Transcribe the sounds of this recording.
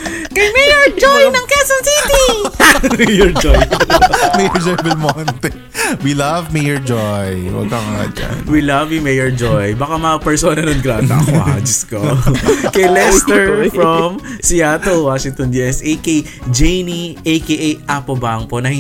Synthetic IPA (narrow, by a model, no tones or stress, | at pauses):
kɐjmɛjɔɹd͡ʒojnɐŋkɛsɐnsit̪i | mejɔɹd͡ʒɔjmejɔɹd͡ʒɔjbɛlmɔnt̪ɛ | wilɐvmejɔɹd͡ʒojwɐ̰ɡ̚kaŋa̰d͡ʒɐ̰wilɐvlimejɔɹd͡ʒojbɐkamɐɐpɛɹsoːnɐnonɡɾat̪ɐ̰ɐ̰kohɐd͡ʒɪskokɐjlɛst̪ɛɹfɹɐmsiat̪owaʃɪŋt̪ɔnd̪iʔɛsejkejd͡ʒejniʔejkeʔejʔapobaŋponɐhɪ